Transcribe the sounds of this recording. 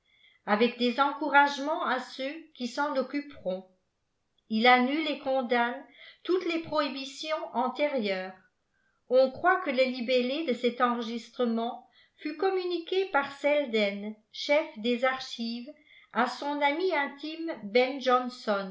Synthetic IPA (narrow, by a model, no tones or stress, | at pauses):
avɛkd̪ezɑ̃kuʁaʒmɑ̃asøkʲisɑ̃nɔkypʁɔ̃ | ilanylekɔ̃d̪ant̪ut̪lepχoibisjɔ̃ʔɑ̃t̪eʁjœːʁ | ɔ̃kχwakələlibeled̪əsɛt̪ɑ̃ʁəʒist̪χəmɑ̃ | fykɔmynikʲepaʁsɛld̪ɛn | ʃɛfd̪ezaʁʃiːv | asɔ̃namiɛ̃t̪imbɛnʒɔnsɔn